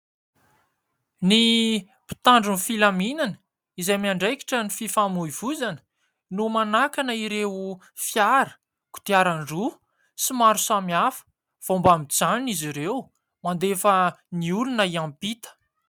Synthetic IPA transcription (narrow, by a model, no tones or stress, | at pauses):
ni | pi̥t̪aɳɖ͡ʐunifilaminanə̥ | izamiaɳɖ͡ʐajki̥ʈ͡ʂənififamuiv̥uzan | numanakanəiɾeu | fjaɾə̥ | ku̥t̪iaɾaɳɖ͡ʐu | simaɾusamiafə̥ | v̥ombamid͡zaniniziɾew | mand̪efəniulunəiampit̪ə̥